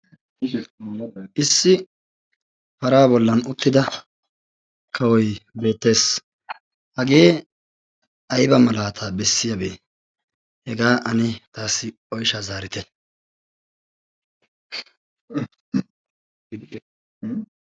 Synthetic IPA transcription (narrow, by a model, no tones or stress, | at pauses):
ʔɪsːɪ | fɐɾaːbɔlːɐnʊt̪ːɪd̪ɐ | kʰɐwɔjbe̞ːt̪ːe̞ːs | hɐɡe̞ː | ʔɐjbɐmɐlaːt̪ʰaːbɛsːɪjɐbeː | hɛɡaːʔɐnɪt̪aːsːɪ | ɔjʃazaːɾɪt̪ɛ